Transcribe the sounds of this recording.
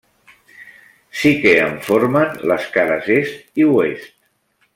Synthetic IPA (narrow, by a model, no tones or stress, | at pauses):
sikeəɱfoɾmənləskaɾəzest̪iwest̪̚